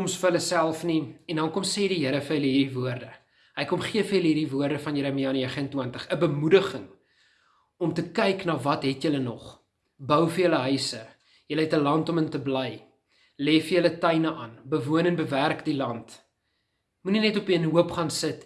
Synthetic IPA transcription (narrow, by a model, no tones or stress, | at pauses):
omsfəələsælˠfniɛndɐnkɔmseːdiɦəəɾəfərɦələɦiːɾivuərdə | ɦəjkɔmχiəfərjələɦiːrivuərdəfɐnjəɾəmiɑːniɛχəntwiəntəχəbəmudəχəŋ | ɔmtəkɛjknɑːvɐtɦɛtjələnɔχ | bœwfəjələɦœɥsə | jələɦɛtəlɐntɔməntəblɛj | leːfəjələtɐjnəʔɑnbəvuənɛnbəværkdilɐnt | muninɛtɔpiənɦuəpχɑnsət